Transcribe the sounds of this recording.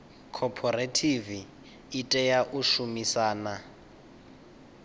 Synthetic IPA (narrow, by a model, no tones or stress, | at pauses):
kʰɔpʰɔretʰiviː | tʼɛjaʔuʃumisaːna